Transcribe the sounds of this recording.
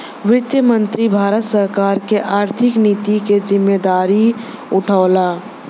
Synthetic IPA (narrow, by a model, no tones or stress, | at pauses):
wɪt̪jəmə̃nt̪ɾibʱaːɾət̪səɾkaːɾkeʔaːɾt̪ʰɪknit̪iked͡ʒɪmːed̪aːɾi | ʊʈʰaːla